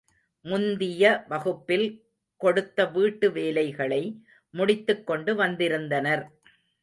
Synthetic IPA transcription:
mʊnd̪ɪjɐʋɐɣɯpːɪl | kɔɽɯt̪ːɐʋiːʈːɯʋeːlɐɪɣɐɭɐɪ | mʊɽɪt̪ːɯkːɔɳɖɯʋɐnd̪ɪɾɯnd̪ɐnɐɾ

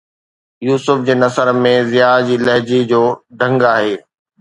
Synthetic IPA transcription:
juːsʊfd͡ʑeːnɐsəɾmẽzɪjaːd͡ʑiːlɐɦd͡ʑid͡ʑoːd̪ʱɐ̃ŋɡaːɦeː

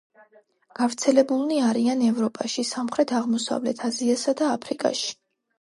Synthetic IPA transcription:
ɡ̥avɾt̪sʰɛlɛbulˠniaɾianɛvɾɔpʼaʃisamχɾɛt̪ʰaʁmɔsa̰vlɛ̰t̪ʰaziasad̪aːpʰɾikʼa̰ʃi̥

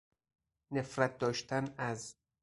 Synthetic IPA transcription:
nefɾæt̪̚ʰd̪ɒːʃt̪ʰænæz

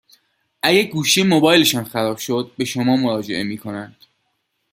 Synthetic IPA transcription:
ʔæɡæɾɡuːʃimobɒːjleʃɒːnxæɾɒːb̥ʃod̪̚be̞ʃomɒːmoɾɒːd͡ʒe̞̰ʔe̞miːkʰo̞nænd̪̥

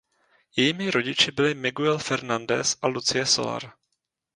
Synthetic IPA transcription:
jɛjiːmɪɾo̞ɟɪt͡ʃɪbɪlɪmɪɡuɛlfɛɾnandɛ̰sʔalut͡sɪjɛso̞̰la̰ɾ

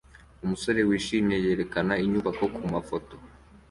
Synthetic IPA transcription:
umuso̞ɾe̞wiːʃiːme̞je̞ːɾe̞kanaiɲuːβako̞kʰumafo̞to̞

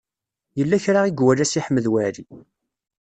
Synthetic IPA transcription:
jəlːæçɾaiɡwælæsiħmːəðwæɾi

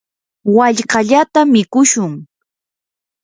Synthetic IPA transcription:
waʎɢɑʎat̪amɪkʊʃʊŋ

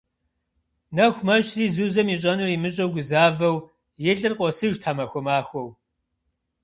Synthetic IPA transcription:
nɐxʷmɐʒriːzuːzɐmiɕʼɐnɐrimɨɕʼɐwɡʷʊzaːvɐw | jɛɬɨrqʷʼɔsɨʒtʰaːmɐxʷɔmaːxʷɔw

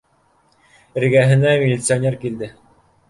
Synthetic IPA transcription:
ɘ̆ɾɡæɦɘ̆næmʲilʲit̪sɨonʲerkild̪ɘ

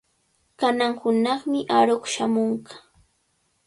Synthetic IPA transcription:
kanaŋhʊnɑχmɪʔaɾokʃamoɴɢɑ̥

